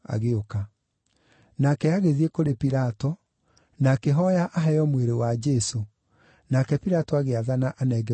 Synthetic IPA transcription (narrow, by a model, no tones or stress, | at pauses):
a̰ɣeoka | nakɛaɣeðiekoɾepiɾatɔ | nakeɦɔjaʔaɦɛjɔmweɾewad͡ʒɛso | nakɛpiɾatɔaɣeaðanaʔanɛɡɛ